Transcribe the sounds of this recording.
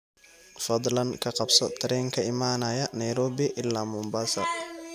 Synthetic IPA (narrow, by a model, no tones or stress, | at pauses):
fɐd̪ˤlɐnkʰɐqɑbsɔt̪ʰɐɾɛːŋkʰɐɪmaːnaːjɐnɐjɾɔːbɪʔɪlːaːmʊmbaːsɐ̰r